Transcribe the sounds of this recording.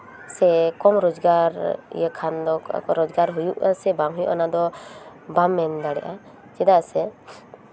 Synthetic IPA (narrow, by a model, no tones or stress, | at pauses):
sɛkɔmɾɔd͡ʒɡaɾ̰jəkʰand̪ɔ̰kɔɾɔd͡ʒɡaɾɦujuʔə̰sɛbaŋɦujṵʔanad̪ɔbamːɛnd̪aɽɛ̰ʔa | d͡ʒɛd̪asɛ